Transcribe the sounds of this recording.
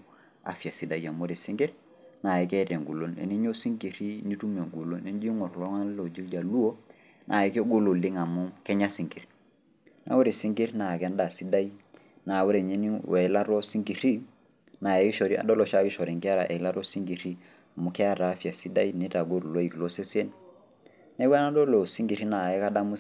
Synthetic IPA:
a̰˨fi˨a˨si˨da˨ja˨mo˦ɾi˨si˦ŋɡi˦ɾ | na˨ji˦kɛ˦tɛ˨ŋɡu˨lo˦nḛ˨ni˦ɲo˦si˦ŋki˨ɾi˦ni˦tu˦me˨ŋɡu˨lo˦ne˦nd͡ʒi˦ŋɔ˨ɾlɔ˦ŋa˦llo˨d͡ʒi˦ld͡ʒa˨lu˦o˦ | nʔa̰˨ji˦ke˦ɡo˦lo˨li˦ŋa˨mu˦kɛ˦ɲa˦si˨ŋki˨ɾ | na̰˨wu˦ɾi˨si˦ŋɡi˦ɾna˨kɛ˦nda˨si˦da˦ji˦ | na˨wu˦ɾe˨ɲe˦ni˦wɛ˨˦la˦ɾɔ˦si˦ŋɡi˨ɾi˦ | na˨ɛ˨ki˦ʃɔ˨ɾi˦a̰˨dɔ˦lɔ˨ʃa˦ki˦ʃɔ˨ɾi˨ŋkɛ˦a˦ɾa˨ʔɛ˨˦la˦ɾɔ˦si˦ŋɡi˨ɾi˦ | a˨mu˦kɛ˦a˦ɾa˨˦fa˨si˦da˦i˦ne˦ta˨ɡo˦ɾu˨lo˦i˨klo˦se˦se˦n | nɛ˦wa˦na˦dɔ˦lo˨si˦ŋɡi˨ɾi˦na˨ɛ˦ka˦da˦mu˦

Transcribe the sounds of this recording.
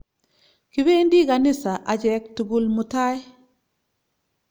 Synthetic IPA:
ki˨be˦ndi˦ɡanisaʔa˨ɟek̚tu˨ɡulmuta˦j

